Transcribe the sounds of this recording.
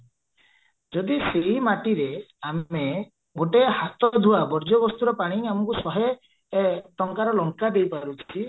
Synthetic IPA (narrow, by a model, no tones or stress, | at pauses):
d͡ʒɔd̪iseɦimaʈiɾeame | ɡoʈeɦat̪ɔd̪ʱuabɔɾd͡ʒɔbɔst̪uɾɔpaɽ̃iamɔkusɔɦe | ʈɔŋkaɾɔlɔŋkad̪ejpaɾut͡ʃʰi